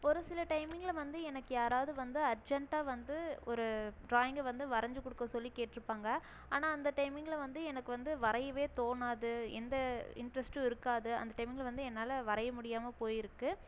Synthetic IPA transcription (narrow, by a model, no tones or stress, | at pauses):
ɔɾɯsɪlɐʈɐɪmɪŋɡɐlʋɐnd̪ɯɛnɐkːɯjaːɾaːʋðɯʋɐnd̪ɯɐɾd͡ʒɛɳʈaːʋɐnd̪ɯɔɾɯɖɾaːjɪŋɡʋɐnd̪ɯʋɐɾɐɲd͡ʒɯkːɔɽɯkːɐ̃sɔlːikeːʈːɪɾɯpːaːŋɡɐ | aːnaːɐnd̪ɐʈɐɪmɪŋɡɐlʋɐnd̪ɯɛnɐkːɯʋɐnd̪ɯʋɐɾɐjɐʋeːt̪oːnaːðɯɛ̰nd̪ɐɪ̰ɳɖɾɐsʈɯɪɾɯkːaːðɯɐ̰nd̪ɐʈɐɪmɪŋɡɐlʋɐnd̪ɯɛnːaːlɐʋɐɾɐjɐmʊɽɪjaːmɐpoːjɪɾɯkːɯ